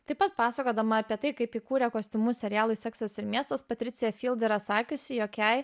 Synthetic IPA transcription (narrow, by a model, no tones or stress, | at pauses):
t̪ɐɪpɐt̪̚pɑːsɐkoːd̪ɐmɐɐpʲiɛt̪ɐɪkɐɪpikuːɾʲɛkoːsʲt̪ʲɪmuːsʲɛɾʲɪjæːlˠʊɪsʲɛksɐsɪɾmʲiɛst̪ɐspɐt̪ʲɾʲɪt̪sʲɪjɛfʲiːlˠʲd̪ʲɪɾɐsɑːkʲʊsʲɪjoːkʲɛɪ